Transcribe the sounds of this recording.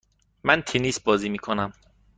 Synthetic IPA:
mænt̪ʰenisbɒːziːmiːkʰonæm

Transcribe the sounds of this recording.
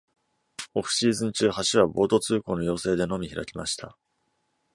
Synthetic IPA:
o̞kɯ̟̥ɕiːzɨ̃ɲ̟t͡ɕɨːhaɕiβabo̞ːt̪o̞t͡sɨːko̞ːno̞jo̞ːse̞ːd̪e̞no̞mʲiçiɾa̰kʲima̰ɕi̥t̪ʰa

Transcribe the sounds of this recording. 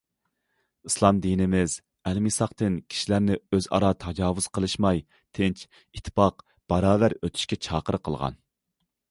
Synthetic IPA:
islˠɑmd̪inɪmɪz | ɛlmisɑqt̪ɨnkʲʰi̥ʃilæɾnɪøzɑ̰ɾɑt̪ʰɑd͡ʒɑːwuz̥qʰəlˠɨʃmɑj | t̪ʰɪnt͡ʃ | it̪ʰːpɑq | b̥ɑɾɑːvæɾøt̪ʰy̥ʃkʲɛt͡ʃʰɑːqəɾqʰəlˠʁɑ̰n

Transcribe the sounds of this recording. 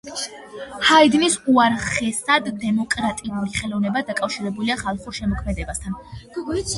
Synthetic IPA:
haid̪nisuaɾχɛsad̪ːɛmɔkʼɾat̪ʼiuliχɛlˠɔvnɛbad̪akʼafʃiɾɛbuliaχalˠχuɾʃɛmɔkʰmɛd̪ɛbast̪ʰan

